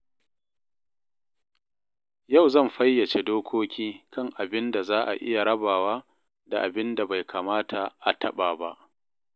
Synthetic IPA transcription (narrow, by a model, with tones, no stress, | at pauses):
ja˦˨wzɐ˦˨mɸɐ˦jːɐ˨t͡ʃe˨doː˦kʷoː˦kʲiː˦kɐ˦˨ŋʔa˨bɪ˦nda˨zaː˦ʔa̰˨ʔɪ̰˦ja˨ɽɐ˦baː˨waː˦ | da˨ʔa˨bɪ˦nda˨ba˨jkʰaː˨maː˦tʰa˨ʔa˨tʰɐ˦ɓaː˨ba˦ʔ